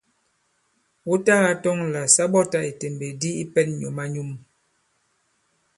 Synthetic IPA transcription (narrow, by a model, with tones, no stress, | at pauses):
wu˦ta˦ɣa˨tɔ˦ŋla˨sa˦bɔ˦ta˦e˨te˨mbe˨di˦i˦pɛ˦nɲɔ˨ma˦ɲu˦m